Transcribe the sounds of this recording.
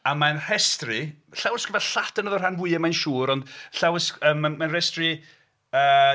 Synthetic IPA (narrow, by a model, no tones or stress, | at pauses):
amanr̥ɛstrɪɬawəskəvaɬatʰənəðɔranvʊɨəmajnʃuːɾɔndɬawəsəːmamanrɛstrɪ | əː